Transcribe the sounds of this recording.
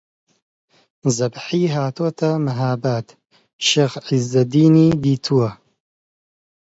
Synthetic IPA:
zɐbħiːɦaːt̪ʰoːt̪ʰɐmɐɦaːbaːt̪ | ʃeɣʕizɐd̪iːniːd̪iːt̪ʰuwɐ

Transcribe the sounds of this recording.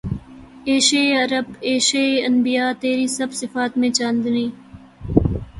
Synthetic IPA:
eːʃeːɐɾəbeːʃeɐnbijaːt̪eːɾiːsɐbsɪfaːt̪mẽːt͡ʃaːnd̪niː

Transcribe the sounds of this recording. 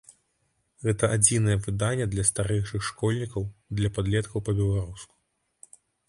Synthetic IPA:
ɣɛt̪ɐʔad͡zʲinɐjɛvɨd̪anʲːɛd̪lʲɐst̪aɾɛjʂɨxʂkɔlʲnʲikɐwd̪lʲɐpad̪lʲɛt̪kʰɐwpɐbʲɛlˠaɾusku̥

